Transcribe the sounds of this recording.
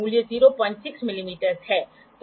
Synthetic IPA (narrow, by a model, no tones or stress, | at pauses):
uːlijəziːɾopɐ̃ɲd͡ʒsɪksmɪlimiːʈəɾzɦɛː | t̪